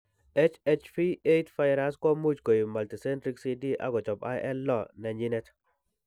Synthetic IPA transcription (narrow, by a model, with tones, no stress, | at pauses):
ɛ˦t͡ʃɛ˦t͡ʃfi˦e˦jtfa˦jɾa˦skɔ˦mu˦d͡ʒko˨ji˨ma˨lti˨sɛ˦ntɾi˦ksi˦di˦ʔa̰˦ɡɔ˨t͡ʃɔ˨pa̰˦ʔɛ˦lːɔ˦nɛ˨ɲi˦nɛ˦t